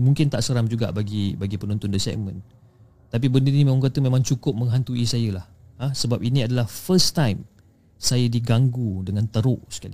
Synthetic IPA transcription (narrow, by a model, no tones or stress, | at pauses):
muŋkɪnt̪aʔsəɾaŋd͡ʒuɡa̰ʔbaɡibaɡipənɔnt̪ʊndəsɛ̰mə̃n | t̪ap̬ibəndiɾinimẽmãŋkat̪əmẽmãŋt͡ʃukʊp̚mə̃ŋɦant̪uisajəlahasəbap̚inĩadalahfəst̪ajm | sajədiɡaŋɡudəŋãnt̪əɾʊʔsə̥ka̰li